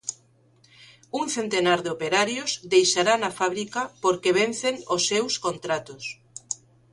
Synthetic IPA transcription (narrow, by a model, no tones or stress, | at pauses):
uŋθent̪enaɾðeopeɾaɾjozd̪ejʃaɾanafaβɾikɐpoɾkeβ̞en̟θeŋosːewskont̪ɾat̪ʊs